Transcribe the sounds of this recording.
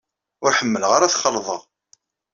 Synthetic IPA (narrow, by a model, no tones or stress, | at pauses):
ʊɾħəmːəlʁaɾaθχəlːðˤəʁ